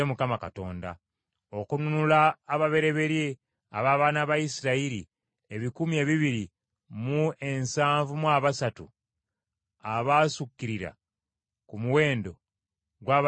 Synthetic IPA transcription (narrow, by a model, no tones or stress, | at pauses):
emukamakato̞ːnda̰ | okununulaːβaβe̞ɾe̞βe̞ɾje | a̰βaːβaːnaβajisiɾaiɾi | eβikumie̞ːβiβiɾi | mue̞nsaːɱvumwaːβasatṵ | aβaːsukːiɾiɾa̰ | kumuwe̞ːndo̞̰ | ɡwaːβ